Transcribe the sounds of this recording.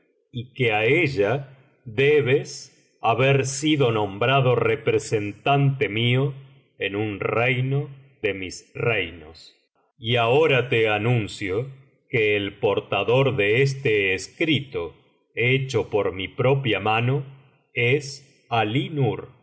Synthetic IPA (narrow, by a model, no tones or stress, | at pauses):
ikeaeʒa | ðeβes | aβeɾsiðonõmbɾaðo̞repɾesent̪ant̪emio | enunrejnoðemisrejnos | iaoɾat̪eanũnsjo | keːlpo̞ɾt̪aðo̞ɾðees̬t̪eːskɾit̪o | et͡ʃopoɾmipɾopjamano | es | alinuɾ